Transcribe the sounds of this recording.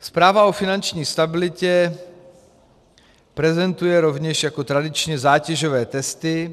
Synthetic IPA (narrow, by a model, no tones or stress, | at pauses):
spɾaːvaofɪnant͡ʃɲiːst̪abɪlɪcɛ | pɾɛzɛnt̪ujɛɾovɲɛʃjakot̪ɾadɪt͡ʃɲɛzaːcɛʒovɛːt̪ɛst̪ɪ